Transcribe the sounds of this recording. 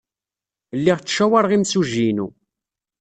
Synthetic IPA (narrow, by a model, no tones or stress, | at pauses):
lːiʁt͡sːʃæwaɾˤʁimsuʒinṵ